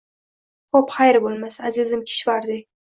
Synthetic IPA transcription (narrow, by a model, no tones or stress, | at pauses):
qʰopχajɪɾbolˠmasazɪzɪmkʲʰɪ̥ʃvaɾd̪ɪ